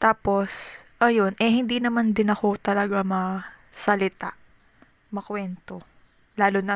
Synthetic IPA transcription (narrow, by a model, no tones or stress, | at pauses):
t̪aːpo̞sʔɐjo̞nʔɛɦɪnd̪inɐmand̪ɪnɐko̞t̪ɐlɐɡamɐsɐlɪt̪aʔ | mɐkwɛnt̪o̞ | laːlonɐ